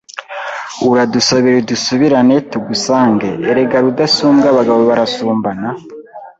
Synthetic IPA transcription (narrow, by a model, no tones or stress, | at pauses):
uɾadusaβiɾedusuβiɾanetuɡusaːŋɡeːɾe̞ɡaɾudasuːmɡaβaɡaβoβaɾasuːmbana